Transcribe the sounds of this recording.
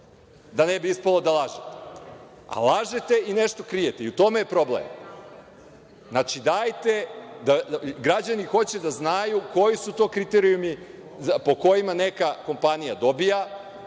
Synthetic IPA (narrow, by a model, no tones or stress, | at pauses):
d̪anebiispalˠo̞d̪alaʒet̪e̥ | a̰lˠaʒet̪e̞ineʃt̪o̞kɾijet̪eiut̪o̞mejepɾo̞blḛm | znat͡ʃid̪aːjt̪ed̪aɡɾad͡ʑanixo̞t͡ɕed̪aznajuko̞jisut̪o̞ːkɾit̪eɾijumi | po̞ko̞jimane̞kako̞mpanijad̪o̞bija